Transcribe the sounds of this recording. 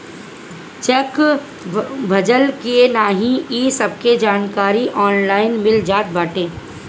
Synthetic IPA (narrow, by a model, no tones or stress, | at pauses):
t͡ʃɛk | bʱɐd͡ʒəlkienaːɦĩiːsɐb̚ked͡ʒaːnkaːɾiʔɔːnlaːɪnmɪld͡ʒaːt̪̚baːʈẽː